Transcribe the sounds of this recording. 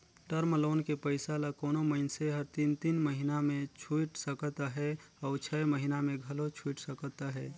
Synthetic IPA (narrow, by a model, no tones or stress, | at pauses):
ʈəɾmloːnkepəɪsalakɔːnoməɪnseɦəɾt̪iːnt̪iːnməɦinamẽt͡ʃʰuʈsəkt̪aɦɛɔːɾt͡ʃʰɛməɦinamẽɡʱɐlot͡ʃʰuːʈsəkət̪aɦɛː